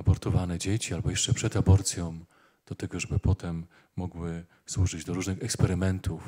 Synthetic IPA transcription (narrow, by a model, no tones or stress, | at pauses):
abɔɾt̪ɔvanɛd͡ʑet͡ɕialbɔjɛʂt͡ʂɛpʂɛd̪abɔɾt̪sʲjɔ̃w̃ | d̪̥ɔt̪ɛɡɔʐɛbɘpɔt̪ɛmː | ɔɡwɘ | swuʐɘd͡ʑd̪ɔɾuʐnɘxɛkspɛɾɘmɛnt̪uf